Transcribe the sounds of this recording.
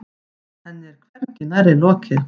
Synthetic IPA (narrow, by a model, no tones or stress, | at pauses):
hɛnːɪɾ̥kʰvɛɾcɪnaɾɪlɔːcʰɪɾ